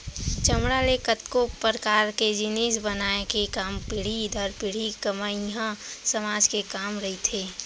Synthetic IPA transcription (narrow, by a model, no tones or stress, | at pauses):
t͡ʃəmɽalekət̪kopəɾəkaːɾked͡ʒɪneːsbənaːekekaːmpɪɽ̤id̪ʱəɾpɪɽ̤ikəmaːiɦãsəmaːd͡ʒkekaːmɾɐɦit̪ʰeː